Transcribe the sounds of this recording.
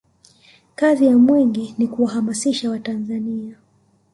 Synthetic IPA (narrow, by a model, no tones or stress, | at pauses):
kazijamwɛŋɡinikuwaɦamasiʃawatanzania